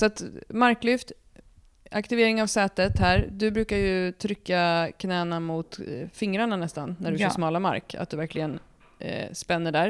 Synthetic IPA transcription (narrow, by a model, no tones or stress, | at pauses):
sat̪maɾkːlʏft̪ | akt̪ɪveːɾɪŋavsɛːt̪ət̪hæːɾd̪ɵbɾʉ̟ːkajɵt̪ʰɾʏkːakʰnɛːnamʊt̪fɪŋɾaɳanɛst̪anːæɖɵjœːsmɑːlama̰ɾka̰t̪̚d̪ɵvæɾklɪɡən | spɛnːəɖæːɾ